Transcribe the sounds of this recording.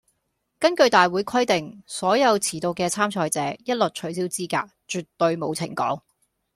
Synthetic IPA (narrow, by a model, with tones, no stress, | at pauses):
kɐ˥nkɵ˧ɥt̪aː˨jwuː˨˥jkʰɐ˥jt̪ɪ˨ŋsɔː˨˥jɐ˨˧wt͡sʰiː˨˩t̪o˨˧wkɛː˧t͡sʰaː˥mt͡ʃʰɔː˧jt͡sɛː˨˥jɐ˥t̚lo˨t̚t͡ʃʰɵ˨˩ɥs̬i˥wt͡siː˥ka̰ː˧k̚t͡ʃyː˨t̪ːɵ˧ɥmo˨˧wt͡sʰɪ̰˨˩ŋkɔ̰ː˨˥ŋ